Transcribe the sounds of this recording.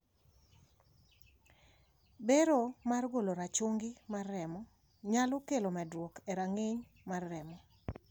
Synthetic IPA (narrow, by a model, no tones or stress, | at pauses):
beɾomarɡoloɾat͡ʃoŋɡɪmarːɛmɔ | ɲalɔkelomɛdwokeɾaŋɪɲ | marːɛmɔ